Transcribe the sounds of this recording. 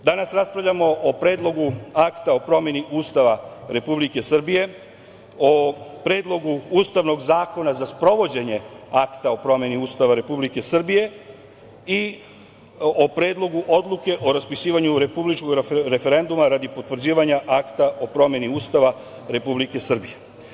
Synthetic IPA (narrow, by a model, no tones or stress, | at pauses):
d̪anasɾaspɾavʎʲamo̞ʔopɾe̞ːd̪lˠo̞ɡuakt̪ao̞pɾo̞mje̞niʔuːst̪aʋaɾe̞publike̞sr̩bije̞ | opɾe̞ːd̪lˠo̞ɡuuːst̪aʋno̞ɡzaːko̞nazaspɾo̞ʋo̞d͡ʑe̞ɲe̞akt̪ao̞pɾo̞mje̞niuːst̪aʋaɾe̞publike̞sr̩bije̞ | i | opɾe̞ːd̪lˠo̞ɡuʔo̞d̪lˠuke̞ʔo̞ɾaspisiːʋaɲuɾepublit͡ʃko̞ɡɾe̞fe̞ɾe̞nd̪umaɾad̪ipo̞t̪ʋr̩d͡ʑiːʋaɲaʔakt̪aʔo̞pɾo̞mjeniuːst̪aʋa | ɾe̞publike̞sr̩bije̞